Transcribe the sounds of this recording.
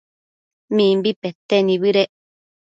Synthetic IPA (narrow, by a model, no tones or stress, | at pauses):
mĩmbipet̪enĩβɨɾeʔ